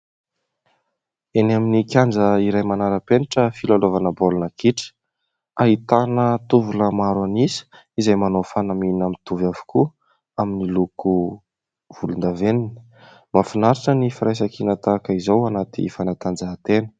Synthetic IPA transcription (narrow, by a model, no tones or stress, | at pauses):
enaminikʲjand͡zəiɾajmanaɾəpeniʈ͡ʂəfilalovanəbolunəkiʈ͡ʂə̥ | aɦit̪anət̪uvuləmaɾanisi̥ | izajmanofanaminamit̪uvavu̥kʰu | aminiluku | v̥ulund̪avenin | mafinaɾiʈ͡ʂənifaɾajs̬akinat̪akaizowanat̪ḭfanat̪and͡zaɦat̪enə̥